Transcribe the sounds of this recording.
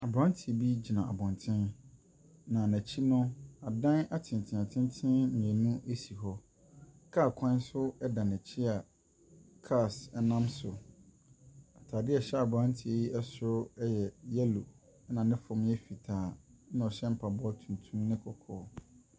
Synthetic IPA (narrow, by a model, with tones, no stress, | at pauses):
a˨bɾã˦n˦tʰi˨bi˦d͡ʑi˨nã˨ʔa̰˨bɔ̃˨ntʰɪ̃˦n | nã˨næ̃˨t͡ɕʰi˦nʊ̃˦a˨dã˦na˦tʰɪ̃˨n˨tʰɪ̃˨ã˨tʰɪ̃˦n˦tʰɪ̃˦nɲ̃˨ɛ̃˨nũ˦ʔe˦si˨ɦɔ˦ | kʰaː˦˨kʷʰã˦n˦sʊ˦ɛ˦dã˨næ˨t͡ɕʰi˦a˨ | kʰa˦˨sɛ˦nã˦msʊ˨ | a˨tʰaː˨dɪ˦ɛ˨ɕɛ˦a˨bʊ˨ã˦n˦tʰi˨e˨ji˦ʔɛ˦sʊ˦jɛ˨jɛ˦lo˨ | ɛ˦nã˨nɪ̃˦fʊ̃˨m˦ɛ˦fi˨tʰaː˨˦nã˨ɔ˨ɕɛ˦m̩˦pʰa˨bɔ˦a˦tʰũ˨n˨tʰũ˦mnɪ̃˦kʰɔ˨kʰɔː˦